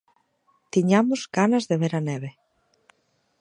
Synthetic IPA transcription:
t̪iɲamʊzɡanɐzðeβeɾanɛβ̞e

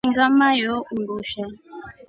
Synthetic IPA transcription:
ŋɡamajɔʔundoʃa

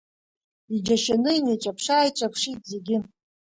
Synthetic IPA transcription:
id͡ʒaʃanɨinaʈ͡ʂʼapʰʂaːjʈ͡ʂʼapʰʂitʼze̞ɡʲɪ

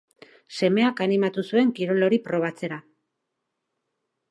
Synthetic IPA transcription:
se̞me̞akanimat̪usue̞ŋkiɾo̞lo̞ɾipɾo̞β̞at͡se̞ɾa

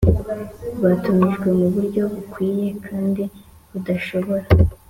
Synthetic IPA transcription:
βatumiʒɡwe̞muβuɾɟo̞βukwiːje̞kʰaːndi | βudaʃo̞βo̞ɾa

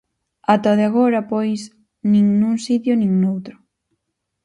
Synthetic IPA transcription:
at̪ɔðeaɣoɾapojs | nĩŋnuŋsit̪jonĩŋnowt̪ɾʊ

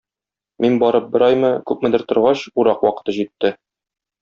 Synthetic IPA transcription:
minbɒɾɤp̚bɘ̆ɾɒjmɤkʉp̚mɘ̆d̪ɘɾt̪ŏɾʁɑɕuɾɑqwɒqɤ̥̆t̪ɤʑit̪ːɘ

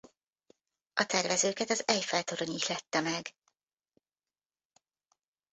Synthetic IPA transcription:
ʔɒt̪ɛrvɛzøːkɛt̪ɒzɛjfɛlt̪oɾoɲiːʃlɛt̪ːɛmɛɡ

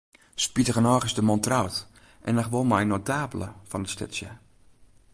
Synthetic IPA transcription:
spitəɣənɔːχəsdəmɔntrawt | ʔɛnaxʋolmajnotʰaːbələ̰fɔnətstɪ̰sjə

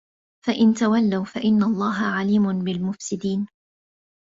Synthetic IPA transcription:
faʔɪnt̪awalːawfaʔɪnːalˤːɑːɦaʕaliːmʊnbɪlmʊfsɪd̪iːn

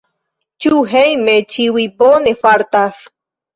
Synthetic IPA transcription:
t͡ʃuɦejmet͡ʃiwiponefaɾt̪as

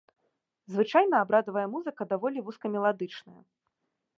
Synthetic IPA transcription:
zvɨt͡ʂajnɐabɾad̪ɐvɐjɐmuzɨkɐd̪avɔlʲivuskɐmʲɛlˠad̪ɨt͡ʂnɐjɐ̰

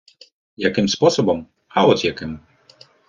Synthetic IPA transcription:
jakɪmspɔsɔbɐm | haɔt͡sʲjakɨm

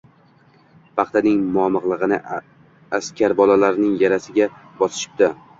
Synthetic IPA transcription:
pʰɑχt̪ʰanɪŋmʊɒmɨʁlˠɨʁɨnɪ | askʲʰaɾbɒlalaɾnɪŋjaɾasɪɡʲabɒsɪ̥ʃɪ̥p̚d̪a

